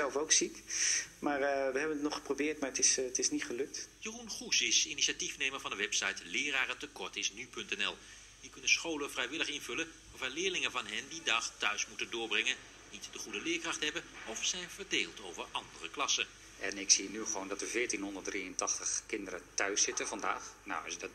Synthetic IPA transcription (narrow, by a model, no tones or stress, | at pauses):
ɛlˠfowksikmaːɹʋəɦɛbənətnɔχə̥probɪːɹtmaːɹətɪsətɪsnitχəlɵk̚tjərunχusɪsiniʃatifnejməɹvɑndəʋɛpsɑjtlɪːɾaːrətəkɔɹtɪsnypɵntɛnɛ̰lˠ | ʋikɵnəsχowləvrɛjʋɪləχɪnvɵlə | aːɹvaːlɪːɹlɪŋəvɑnɦɛndidɑχtœɥsmutəndʊːɹbrɛŋən | nitdəχudəlɪːɹkrɑχtɦɛbənɔfsɛjnvəɹdeːlˠtowvəɹɑndərəklɑsə | ɛnɪksinyχəʋowndɑtəvɪːɹtinɦɔndəɹt̚drijəntɑχtəχkɪndəɾətœɥsɪtəvɑnda̰ːχna̰wɑsədt